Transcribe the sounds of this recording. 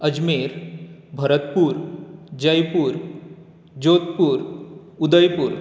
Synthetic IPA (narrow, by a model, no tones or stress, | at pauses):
əd͡ʑmeɾbʱəɾət̪puːɾd͡ʑəjpuːɾ | d͡ʑot̪puːɾud̪əjpuːɾ